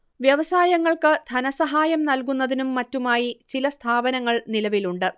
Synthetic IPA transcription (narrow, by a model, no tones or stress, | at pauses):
ʋjɐʋɐsaːjɐŋːɐɭkɨd̪ʱɐnɐsɐɦaːjɐmnɐlkunːɐðinumːɐtːumaːjit͡ɕilɐst̪ʰaːbɐnɐŋːɐɭnilɐʋiluɳɖɨ